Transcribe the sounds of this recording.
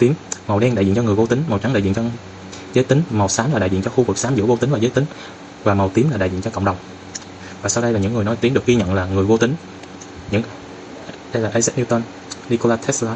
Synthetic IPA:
t̪i˨˦mm˨˩wɗɛ˧nɗa̰˧˨zḭ˧˨ɲt͡ɕɔ˧ŋ˨˩əvo˧t̪ï˨˦ŋma˨˩wt͡ɕa˨˦ŋɗa̰˧˨ḭ˧˨t͡ɕɔ˧ | zəː˨˦jt̪ï˨˦ŋmə˨˩wsaː˨˦mlaː˨˩ɗa̰˧˨zḭ˧˨ə˨t͡ɕɔ˧xu˧vɨ˨˩k̚saː˨˦mzɨ̰˧˥əvo˧t̪ï˨˦ŋvaː˨˩zə˨˦jt̪ï˨˦ŋ̟ | vaː˨˩mə˨˩wt̪i˨˦əmlaː˨ɗa̰ː˧˨zḭ˧˨nt͡ɕɔ˧ə̰˧wŋ͡mɗə˨˩wŋ͡m | vaː˨˩sa˧wɗə˧jlaː˨˩ɲɨ̰˧˥ŋːɨ˨˩ənɔ˨˦jt̪i˨˦mɗɨ˨˩ək̚i˧ɲə̰˧˨nlaː˨˩ŋɨ˨˩əjvo˧t̪ï˨˦ŋ̟ | ɲɨ̰˧˥ŋ | ɗə˧jlaː˨ʔə˧jzɛ˦˥t̚ni˧wt̪ə˧n | ni˧ko˧laː˧t̪ʰɛ˦˥slaː˧

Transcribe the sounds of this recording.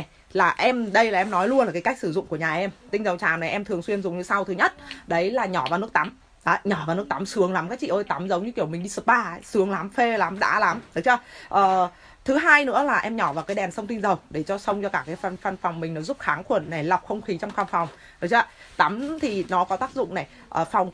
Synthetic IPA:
na˨˩j | laː˨˩ʔɛ˧mɗə˧jlaː˨˩ʔɛ˧mnɔ˨˦jlu˧ənlaː˨˩kaː˨˦kk̚sɨ˧˩zʊ̰˧˨ŋ͡mku˧˩əɲaː˨˩ʔɛ˧mt̪ï˧ŋzə˨˩wt͡ɕaː˨˩wna˨˩jʔɛ˧mt̪ʰɨ˨˩əŋswi˧ənzʊ˨˩ŋ͡mɲɨ˨˧˦sa˧wt̪ʰɨ˨˦ɲə˦˥t̚ɗə˨˦jlaː˨˩ɲɔ˧˩vaː˨˩n˦˥əkt̪a˨˦m | a˨˦ɲɔ˧˩vaː˨˩wn˦˥ək̚t̪a˨˦msɨ˨˦əŋla˨˦mkːk̚t͡ɕḭ˧ʔəː˧jt̪a˨˦mzə˨˦wɲɨ˧ki˧˩əwmï˨˩ŋ̟ɗi˧sɨ˨˩t̚ɓaː˨˩˨sɨ˨˦əŋla˨˦mfe˧la˨˦mɗa̰ː˧˥la˨˦mɗɨ˨˦t͡ɕə˧ʔəː˨˩ | t̪ʰɨ˨˦ɦaː˧jnɨ̰˧˥əlaː˨˩ʔɛ˧mɲɔ˧˩vaː˨˩kaː˨˦jɗɛ˨˩nsə˧wŋ͡mt̪ï˧ŋ̟zə˨˩wɗe˧˩t͡ɕɔ˧sə˧wŋ͡mt͡ɕɔ˧kaː˧˩kaː˨˦jfa˧˩nfa˧˩nfwŋ͡mmï˨˩ŋ̟nɔ˨˦zu˦˥p̚xaː˨˦ŋxwə˧˩ənːa˨˩jla˨˩wk͡p̚xə˧wŋ͡mxi˨˦t͡ɕɔ˧ŋ͡mxaː˧nfa˨˩wŋ͡m | ɗɨ˨˦k̚t͡ɕəː˧˦t̪a˨˦mt̪ʰi˨˩nɔ˨˦kɔ˨˦t̪aː˦˥k̚zʊ̰˧˨ŋ͡mna˨˩j | ʔəː˨˩fa˨˩wŋ͡m

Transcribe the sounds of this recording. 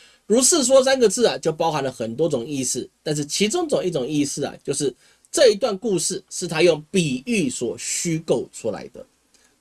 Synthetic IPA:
ɻu˧˥s̩˥˩s̬wɔ˥s̬a˥nɡə˨t͡sɹ̩˥˩ɐ˩t͡ɕjo˥˩ʊpɑ˥ʊxa˧˥nlə˧xə˨˩nt̪wɔ˥t͡sʊ˨˩ŋi˥˧sɹ̩˥˩t̪a˥˧nʂ̬ɻ̩˥˩t͡ɕʰi˧˥t͡sʊ˥ŋt͡sŋi˥˩ʈ͡ʂʊ˨˩ŋi˥˧sɹ̩˥˩ɐ̰˨˩t͡ɕjo˥˧ʊʂɻ̩˥˩ | ʈ͡ʂɤ˥˧i˧˥t̪wa˥˨nku˥˧ʂɻ̩˥˩ʂɻ̩˥˩t̪ʰa˥jʊ˥˩ŋpi˨˩y˥˩swɔ˨˩ɕy˥ko˥˩ʊʈ͡ʂʰu˥la̰˧˦ɪd̪ə̰˧

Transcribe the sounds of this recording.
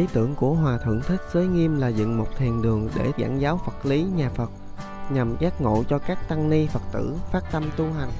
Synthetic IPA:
ʔi˨˦t̪ɨ˧˩əŋku˧˩əɦwaː˨˩t̪ʰwə̰˧˩ŋt̪ʰï˦˥k̟̚zəː˨˦jŋi˧əmlaː˨˩zɨ̰˧˨ŋmo˨˩t̚t̪ʰi˨˩ənɗɨ˨˩əŋɗe˧˩za̰ː˧˩nzaː˨˦wfə˨˩t̚li˨˦ɲaː˨˩fə˨˩t̚ | ɲa˨˩mzaː˦˥t̚ŋo̰˧˨t͡ɕɔ˧kaː˦˥k̚t̪a˧ŋli˧fə˨˩t̚t̪ɨ̰˧˩faː˦˥t̚t̪ə˧mt̪u˧ɦa˨˩jŋ̟

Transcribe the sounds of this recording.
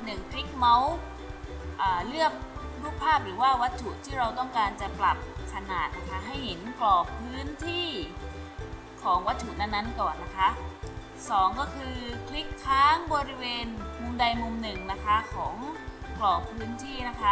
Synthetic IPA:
nɯ˨˩ŋkʰli˦˥k̚ma˦˥w | ʔaː˨˩lɯ˥˩ək̚ | ɾuː˥˩k̚pʰːaː˥˩p̚ɾɯː˩˦waː˥˩wa˦˥t̪ʰːu˨˩t̪ʰiː˥˩ɾa˧wt̪ɔ˥˩ŋkaː˧nt͡ɕa˨˩pla˨˩p̚kʰa˧naː˨˩t̪̚na˦˥kʰa˦˥ɦa˥˩jhe˩˦nklɔː˨˩pʰɯː˦˥nt̪ʰiː˥˩ | kʰɔː˩˦ŋwa˦˥t̪ʰːu˨˩t̪na˧˥˩nːa˦˥˩nkɔː˨˩nːa˦˥kʰa˦˥ | sɔː˩˦ŋkɔː˥˩kʰɯː˧kʰli˦˥kʰːaː˦˥ŋbɔː˧ɾi˦˥weː˧nkʰu˧mda˧jmu˧mnɯ˨˩ŋna˦˥kʰa˦˥kʰɔː˩˦ŋklɔː˨˩pʰɯː˦˥nt̪ʰiː˥˩na˦˥kʰa˦˥

